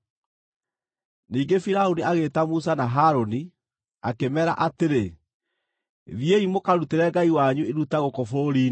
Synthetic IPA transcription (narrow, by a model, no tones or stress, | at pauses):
niːɡefiɾaoniaɣeːtamus̬anaɦaːɾoni | akemɛɾa̰ʔateɾe | ðjeimokaɾuteɾɛɡaiwaɲueɾutaɣokɔfoɾoɾiːn